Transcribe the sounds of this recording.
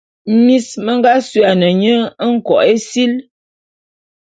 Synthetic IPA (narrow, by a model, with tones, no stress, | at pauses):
mi˦smə˦ŋ˦ɡa˦sɥa˨nə˨ɲə˦ŋ̩˦kɔ̰˨ʔe˦si˦l